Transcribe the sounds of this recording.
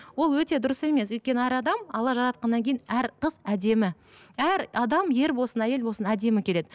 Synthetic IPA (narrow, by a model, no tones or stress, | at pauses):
wo̞lˠwɵt̪e̞d̪ʊɾəse̞me̞swɵjt̪̚kʲe̞nəæɾɑd̪ɑmɑlˠɑʒɑɾɑt̪̚qɑnːɑŋkʲʰejnæɾqəzæd̪e̞mɪ | æɾɑd̪ɑmje̞ɾbo̞sənæje̞lbo̞lˠsənæd̪e̞mɪkʲʰe̞le̞d̪ɪ